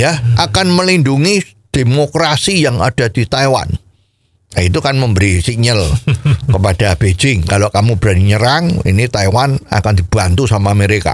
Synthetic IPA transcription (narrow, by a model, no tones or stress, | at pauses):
jaʔakanməlinduŋi | d̥emokɾasijaŋa̰d̥a̤d̥it̪aiwa̰n | ait̪ukanməmbəɾisiɲəlkəpad̥ab̥ed͡ʒɪŋkalokamub̥əɾaniɲəɾaŋḭnit̪aiwana̰kand̪̥ib̥ant̪usamaməɾeka̰